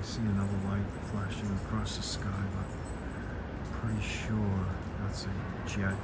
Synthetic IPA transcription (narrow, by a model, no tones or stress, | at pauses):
siɨ̃nʌðə˞weɪflæʃɪ̃ŋəkʰɹ̥ɔsðəskaɪbʌt̚ | pʰɹ̥ɪɾiʃʊɹ | ðætsɨ̥ | d͡ʒ